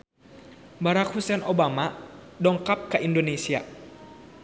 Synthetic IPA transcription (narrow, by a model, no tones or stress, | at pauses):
baɾakhusɛnʔobama | dɔŋkap̚kəʔindonesia